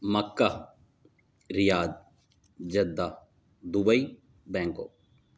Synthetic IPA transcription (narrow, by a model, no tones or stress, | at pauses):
məkːa | ɾɪjaːd̪ | d͡ʒɐd̪ːaː | d̪ubəi | bɛ̃ːŋko̰ː